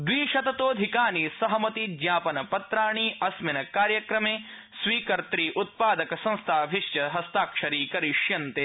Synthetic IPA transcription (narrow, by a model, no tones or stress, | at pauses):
d̪ʋiːʃɐt̪ɐt̪oːd̪ʱikaːnisɐɦɐmɐt̪id̪jaːpɐnɐpɐt̪ɾaːɳiʔɐsminɐkaːɾjɐkɾɐmeː | sʋiːkɐɾt̪ɾiːʔut̪̚paːd̪ɐkɐsɐ̃ñst̪ʰaːbʱiʃjɐɦɐst̪aːkʂɐɾiːkɐɾiʂjɐnt̪eː